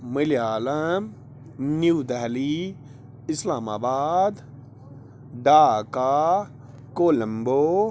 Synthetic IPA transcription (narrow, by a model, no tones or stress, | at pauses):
milijaːlɐm | njiuːd̪ɛɦli | ɪslaːmaːbaːd̪ | ɖaːka | koːlə̃mbo